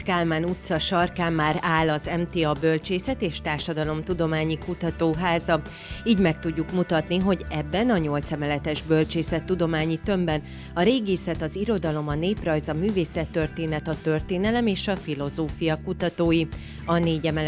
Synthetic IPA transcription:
kalmaːnut̪sɒʃɒrkaːmːaːɾaːlɒzɛmt̪eːɒbø̞lt͡ʃeːsɛt̪eːʃt̪aːrʃɒd̪ɒlo̞mt̪ud̪o̞maːɲikut̪ɒt̪oːɦaːzɒ | iːɟmɛk̚t̪uɟːukmut̪ɒt̪niɦo̞ɟɛbːɛnɒɲo̞lt̪sɛmɛlɛt̪ɛʒbø̞lt͡ʃeːsɛt̪ːud̪o̞maːɲit̪ø̞mbɛn | ɒɾeːɡeːsɛt̪ɒziɾo̞d̪ɒlo̞mɒneːprɒjzɒmyːveːsɛt̪ːø̞rt̪eːnɛt̪ɒt̪ø̞rt̪eːnɛlɛmeːʃɒfilo̞zoːfijɒkut̪ɒt̪oːji | ɒneːɟɛmɛl

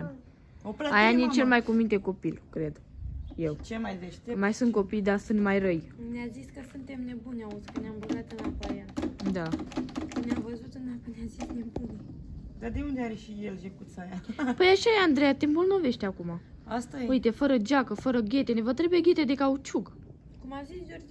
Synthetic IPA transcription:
em | opɾaajanit͡ʃelmajkumint̪e̞ko̞pilkɾe̞d̪jewt͡ʃemajveʃt̪majsunt̪ko̞pijd̪asunt̪majrəjneaziskəsunt̪e̞mne̞bunʲaoskəneamɡuzat̪ɨnapajad̪a | neamvəzut̪ɨnakəneazisnembuned̪ad̪e̞und̪eaɾeʃijelʒekut̪sajapəjaʃajeand̪ɾejat̪embolno̞ve̞ʃt̪eakuma | ast̪ajeujt̪e̞fəɾəd͡ʒakəfəɾəɡʲe̞t̪enevət̪ɾe̞bujeɡʲe̞t̪ed̪e̞kaut͡ʃuɡ | kumazisd͡ʒord͡ʒ

